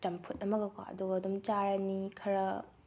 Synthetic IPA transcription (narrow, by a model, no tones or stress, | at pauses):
tɐmpʰut̚ɐmɐɡɐkʰwa̰ʔɐ̰duɡɐɐdumt͡ʃaɾɐnikʰɐɾɐ